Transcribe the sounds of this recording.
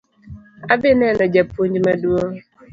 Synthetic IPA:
abɪnɛnɔd͡ʒapuɲd͡ʒmaduo

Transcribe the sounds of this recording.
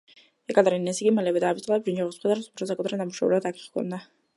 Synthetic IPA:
ɛkʼad̪aɾinnːɛsiɡimalɛbɛd̪aːbit̪ʼlɛbʒind͡ʒɔʁɔsmχɛd̪aɾɛmsu̥pʰɾɔsakʼt̪ʰʼɾanamuʃav̰lɛbat̪akʰi̥χkʰɔ̰nd̪a

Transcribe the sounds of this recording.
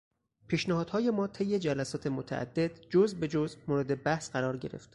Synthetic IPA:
pʰiːʃnæhɒːd̪̥hɒːjemɒːt̪ʰejːe̞d͡ʒælæsɒːt̪ʰe̞mot̪ʰæ̰ʔæ̰d̪ːe̞d̪d͡ʒozbe̞d͡ʒozmoːɾe̞d̪e̞bæhsɢæɾɒːɾɟe̞ɾe̞̰ft̪

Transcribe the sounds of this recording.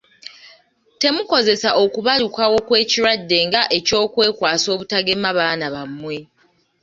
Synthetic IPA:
te̞muko̞ze̞saʔo̞kuβalukawo̞kwe̞ːciɾwadːe̞ːŋɡaʔe̞co̞ːkwe̞ːkwaːso̞ːβutaɡe̞maβaːnaβamːwe̞

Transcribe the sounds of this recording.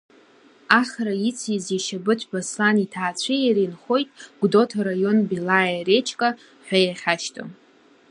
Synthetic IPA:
aχɾait͡sʰiziʃabɨtʷʰʼbaslanitʰaːt͡ɕʷʰijaɾinχo̞jtʼɡ̥ʷdo̞tʰaɾajo̞nbilajaret͡ʃʰʼkʼa | ħʷᶣajaχʲaʃtʰʼo̰

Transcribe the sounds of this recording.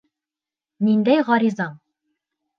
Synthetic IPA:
nind̪æjʁɒɾizɑɴ

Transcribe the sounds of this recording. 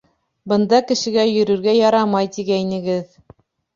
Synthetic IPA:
bɤ̆nd̪ɑkɘ̆ʃɘ̆ɡæjɵ̆ɾɵ̆ɾɡæjɑɾɑmɑjt̪iɡæinɘ̆ɡɘð

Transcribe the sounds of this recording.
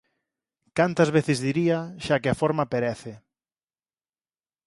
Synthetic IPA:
kant̪ɐzβ̞eθɪzðiɾiɐʃakɪafoɾmɐpeɾɛθɪ

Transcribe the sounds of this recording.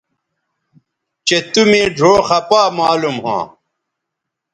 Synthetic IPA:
t͡ɕet̪umẽːɖʱoːxɐpaːmaːlumhã̰ː

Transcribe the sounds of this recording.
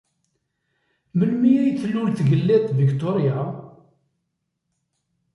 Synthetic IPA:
məlmiæjθlːulθʝəlːet̪ˤːvikt̪oɾja

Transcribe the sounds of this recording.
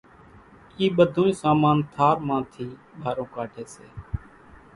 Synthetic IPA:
kiːɓəd̪ʱõːĩːsaːmãːnt̪ʰaːɾmãːt̪ʰiːbʱaːɾõːkaːʈʰeːsḛː

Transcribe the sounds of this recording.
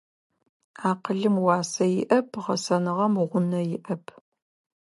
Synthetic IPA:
aːqəɮɨmwɑːsɐjɪʔɐpʰʁɐsɐnɨʁɐmʁʷʊnɐjɪʔɐpʰ

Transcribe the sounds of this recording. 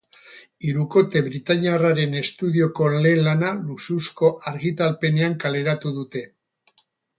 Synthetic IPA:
iɾuko̞t̪e̞βɾit̪aɲiaraɾe̞ne̞st̪uðio̞ko̞le̞lanalususko̞ʔaɾɣit̪alpe̞ne̞aŋkale̞ɾat̪uðut̪e̞

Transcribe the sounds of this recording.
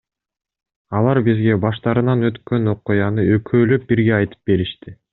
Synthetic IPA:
ɑlˠɑɾbizɡe̞bɑʃt̪ɑɾɯnɑnø̞t̪kø̞no̞qujɑnɯøkʰøːlø̞p̚biɾɡe̞ɑjt̪ɯ̥p̚ɡe̞ɾiʃt̪i

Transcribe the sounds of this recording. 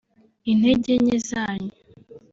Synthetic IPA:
in̥heɟeɲezaːɲe

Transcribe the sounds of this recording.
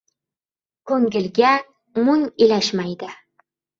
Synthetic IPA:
kʰɵŋɡʲɪlɡʲa | mʊŋilaʃmajd̪ɪ

